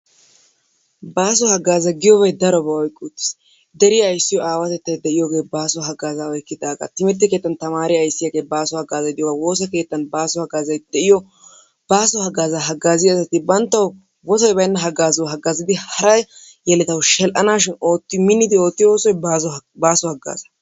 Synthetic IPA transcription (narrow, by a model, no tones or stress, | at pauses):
baːs̬ɔhɐɡaːzɐɡɪjɔɡejd̪ɐɾɔbɐɔjkʼːʊt̪ːɪ̥s | d̪ɛɾɪjɐːjsːɪjɔʔaːwɐt̪ɛt̪ːɐjd̪ɛʔɪjɔɡe̞ːbaːsɔɦɐɡaːzaɔjkːɪd̪aːɡa̰t̪ɪmɪɾt̪ːɪke̞ːt̪ːɐnt̪ɐmaːɾɪɐjsːɪjɐɡeːbaːsɔhɐɡaːzɐd̪ɪjɔwɐwo̞ːsɐke̞ːt̪ːɐnbaːsɔhɐɡaːzɐjd̪ɛʔɪjɔ | b̥aːsɔhɐɡaːzaɦɐɡaːzɪɐsɐt̪ɪbɐnt̪ːɐw | bɔsɔjbɐjnːɐɦɐɡaːzɐwɦɐɡːaːzɪd̪ɪhɐɾɐj | jɛlɛt̪ɐwʃɛlʔɐnaːʃɪnoːt̪ːɪmɪnːɪd̪ɪo̞ːt̪ːɪjwoːsɔjzbaːsɔhɐɡa̰ːzɐ̥